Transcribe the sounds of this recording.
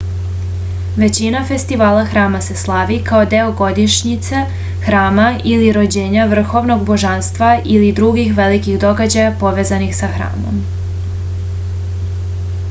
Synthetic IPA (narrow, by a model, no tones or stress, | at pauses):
ʋe̞t͡ɕinafe̞st̪iʋaːlaxɾaːmase̞slˠaʋikaod̪e̞oɡo̞d̪iʃɲit̪se | xɾaːmailiɾo̞d͡ʑe̞ːɲaʋr̩xo̞ʋno̞ɡbo̞ʒanst̪ʋailid̪ɾuɡixʋe̞likiɣd̪o̞ɡad͡ʑajapo̞ʋe̞ːzanixsaxɾa̰ːmo̞̰m